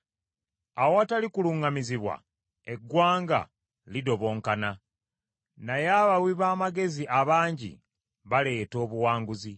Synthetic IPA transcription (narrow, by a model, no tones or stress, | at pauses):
awoatalikuluŋamiziβwa̰ | e̞ɡwaːŋɡa̰ | lido̞βo̞ːŋkana | najaβawiβaːmaɡe̞ziʔaβaːɲɟḭ | βale̞ːto̞ːβuwaːŋɡuzi